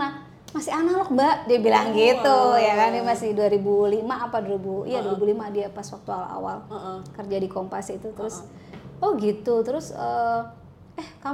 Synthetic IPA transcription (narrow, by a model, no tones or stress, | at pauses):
na | masɪanalɔk̚baʔdiabilaŋɡit̪ujakandimasɪduaɾibulimaʔːpaduɾibuḭjaduwaɾibulimadiapaswak̚t̪uala̰wa̰lkərd͡ʒadikompasit̪ut̪əɾʊs | ɔɡit̪ut̪əɾʊsə | ɛhka